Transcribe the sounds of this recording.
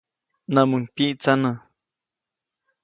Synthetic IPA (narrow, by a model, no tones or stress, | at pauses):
nãmuŋkiʔt͡sanã